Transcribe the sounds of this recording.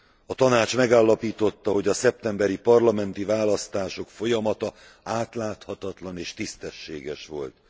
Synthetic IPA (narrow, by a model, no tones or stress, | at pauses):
ɒt̪ɒnaːt͡ʃmɛɡaːlːɒpiːt̪o̞t̪ːɒɦo̞ɟɒsɛp̚t̪ɛmbɛɾipɒrlɒmɛnt̪ivaːlɒst̪aːʃo̞kfo̞jɒmɒt̪ɒ | aːt̪laːt̪hɒt̪ɒt̪lɒneːʃt̪ist̪ɛʃːḛːɡɛʃʋo̞̰lt̪